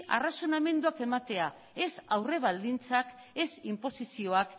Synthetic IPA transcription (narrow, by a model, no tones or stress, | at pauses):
ʔa̰raso̞name̞nd̪uake̞mat̪e̞a | e̞sawre̞β̞ald̪int͡sak | e̞simpo̞sisio̞ak